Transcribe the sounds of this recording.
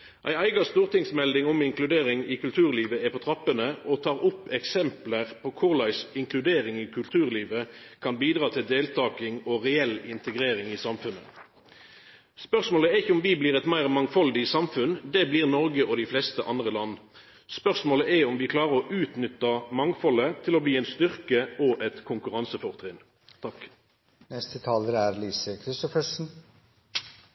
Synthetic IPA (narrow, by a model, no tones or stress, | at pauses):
ʔæɪæɪɡɑst̪uːʁt̪ɪŋsmɛld̪ɪŋɔmɪŋklʉd̪eːʁɪŋɪkʉlt̪ʰʉːʁliːʋəɛpʰɔt̪ʰʁɑpːənəʔɔt̪ʰɑːʁʊpːɛksɛmpləʁpʰɔkʰʊʁlæɪsɪŋkʰlʉd̪eːʁɪŋɪkʰʉlt̪ʰʉːʁliːʋəkʰɑnbiːd̪ʁɑːt̪ʰɪld̪eːlt̪ʰɑːkɪŋɔʁɛɛlɪnt̪əɡʁeːʁɪŋɪsɑmfʉnə̰ | spœʁsmoːləɛɪçːəʊmʋɪbliːʁɛt̪mæɪʁmɑŋfɔld̪ɪsɑmfʉnd̪ɛbliːʁnɔʁɡəʔɔd̪ɪflɛst̪əʔɑnd̪ʁəlɑnː | spœʁsmoːləʔɛɔmʋɪkʰlɑːʁəʁɔʔʉːt̪nʏt̪ːɑmɑŋfɔlət̪ʰɪlɔbliːɛnst̪ʏʁkəɔʔɛt̪kʰʊŋkʉʁɑnsəfɔʁt̪ʰʁɪn | t̪ʰɑk | nɛst̪ət̪ʰɑːləɾæɾliːsəkʰɾɪst̪ɔfəʂn̩